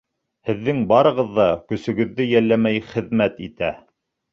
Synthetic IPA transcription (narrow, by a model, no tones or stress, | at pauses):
hɘ̆ðːɘŋbɑɾɤ̆ʁɤ̆ðːɑkɵ̆sɵ̆ɡɵ̆ðːɘjælːæmæjχɘ̆ðmæt̪it̪æ